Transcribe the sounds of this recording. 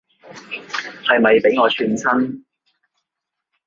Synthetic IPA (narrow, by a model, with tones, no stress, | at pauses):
hɐ˨jmɐ˨jpe˨˥jŋɔː˨˧t͡ʃʰyː˧nsʰɐ˥n